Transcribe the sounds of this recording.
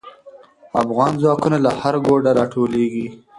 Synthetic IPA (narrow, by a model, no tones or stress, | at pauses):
a̰fɣɑnzwɑkunalahaɾɡoɖaɾɑʈʰoleɡi